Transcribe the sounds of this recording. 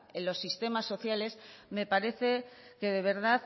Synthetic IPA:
elo̞sːist̪e̞masːo̞θjale̞sme̞paɾe̞θe̞ke̞ðe̞β̞e̞ɾðað

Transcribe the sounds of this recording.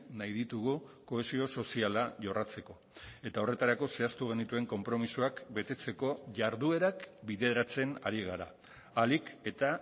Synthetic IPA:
najðit̪uɣ̞uko̞e̞sio̞so̞sialaʝorat͡se̞ko̞ | e̞t̪ao̞re̞t̪aɾako̞se̞ast̪uɣ̞e̞nit̪ue̞ŋko̞mpɾo̞misuakbe̞t̪e̞t͡se̞ko̞ʝaɾðue̞ɾakbiðe̞ɾat͡se̞naɾiɣ̞aɾa̰ː | like̞t̪a

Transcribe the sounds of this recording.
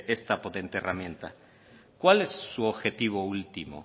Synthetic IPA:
est̪apot̪e̞nt̪eerʔamjent̪a̰ | kwalesːuoβxet̪iβ̞oult̪imo̰

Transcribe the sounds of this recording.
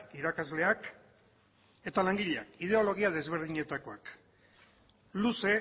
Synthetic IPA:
kiɾakazle̞ak | e̞t̪alaŋɡiʎeakið̞e̞o̞lo̞ɣ̞iað̞e̞zβ̞e̞ɾð̞iɲe̞t̪ako̞ak | luse̞

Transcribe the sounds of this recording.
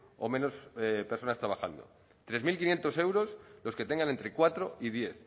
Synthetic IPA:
o̰mẽ̞no̞speɾso̞nast̪ɾaβaxa̰nd̪o̞̰ | t̪ɾe̞zmilkinje̞nt̪o̞se̞wɾo̞slo̞ske̞t̪eŋɡanent̪ɾekwat̪ɾoiðje̞θ

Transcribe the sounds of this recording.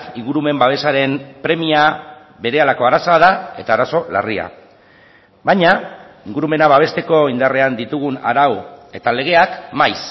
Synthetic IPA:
iŋɡuɾume̞mbaβ̞e̞saɾe̞mpɾe̞mia | βe̞ɾe̞alako̞aɾaso̞aðae̞t̪aːɾaso̞la̰ria̰ | βajɲaiŋɡuɾume̞naβaβ̞e̞st̪e̞ko̞ind̪are̞and̪it̪uɣ̞una̰ɾawe̞t̪ale̞ɣ̞e̞akmajs

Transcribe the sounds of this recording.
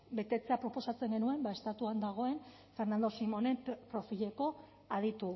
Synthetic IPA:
be̞t̪e̞t͡se̞apɾo̞po̞sat͡se̞ŋɡe̞nue̞mbae̞st̪at̪uand̪aɣ̞o̞e̞n | fe̞ɾnand̪osimo̞ne̞mpɾo̞fiʎe̞ko̞ | að̞it̪u

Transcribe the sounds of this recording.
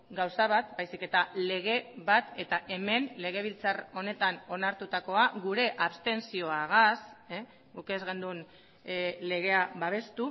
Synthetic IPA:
ɡawsaβat̪bajsike̞t̪ale̞ɣ̞e̞βat̪e̞t̪aʔe̞me̞nle̞ɣ̞e̞β̞ilt͡saro̞ne̞t̪ano̞naɾt̪ut̪ako̞aɣuɾe̞ʔaβst̪e̞nsio̞aɣas | ɡuke̞zɣe̞nd̪un | le̞ɣ̞e̞aβaβ̞e̞st̪u

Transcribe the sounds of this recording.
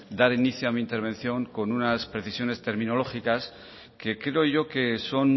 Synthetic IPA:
d̪aɾiniθjoamiːnt̪e̞ɾβ̞ẽ̞n̟θjo̞ŋko̞nunaspɾe̞θisjo̞ne̞st̪e̞ɾmĩno̞lo̞xikas | ke̞kɾe̞o̞ʝo̞ke̞so̞n

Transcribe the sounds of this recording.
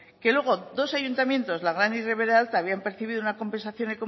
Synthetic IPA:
ke̞lwe̞ɣ̞o̞d̪o̞saʝunt̪amjẽ̞nt̪o̞zlaɣɾanireβe̞ɾealt̪aːβ̞iampe̞ɾθiβiðounako̞mpe̞nsaθjo̞neko̞

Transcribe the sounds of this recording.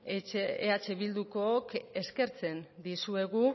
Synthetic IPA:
ḛat͡ʃe̞βild̪uko̞ːke̞ske̞ɾt͡se̞nd̪isue̞ɣu

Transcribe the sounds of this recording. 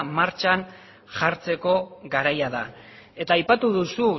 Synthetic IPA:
maɾt͡ʃan | ʝaɾt͡se̞ko̞ɡaɾajaða | e̞t̪aːjpat̪uðusu

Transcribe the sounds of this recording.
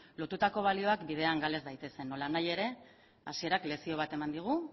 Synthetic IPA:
lo̞t̪ut̪ako̞β̞alio̞akbið̞e̞aŋɡale̞zd̪ajt̪e̞se̞nːo̞lanaje̞ɾe̞ | asie̞ɾakle̞sio̞βat̪e̞mand̪iɣ̞u

